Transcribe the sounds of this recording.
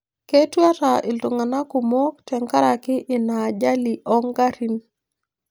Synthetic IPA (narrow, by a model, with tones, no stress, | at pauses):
ke˦twa˦ta˨ʔɪ˨lto˨ŋa˨na˦ku˨mo˦k̚tʰɛ˨ŋka˦ɾa˨kɪ˦ʔɪ˨na˨d͡ʒa˦li˨ʔɔ˦ŋɡa˦ɾi˦n